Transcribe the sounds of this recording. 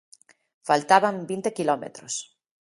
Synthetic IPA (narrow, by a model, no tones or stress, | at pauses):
falt̪aβambint̪ekilɔmḛt̪ɾos